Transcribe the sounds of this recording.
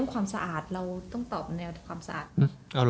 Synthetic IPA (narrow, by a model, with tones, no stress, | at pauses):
ŋkʰwaː˧msa˧ʔaː˨˩t̪̚ɾa˧wt̪ɔ˥˩ŋt̪ɔː˨˩p̚nɛː˧wkʰwaː˧msa˧ʔa̰ː˨˩t̪̚ʔɯ˧˩ʔa˧wl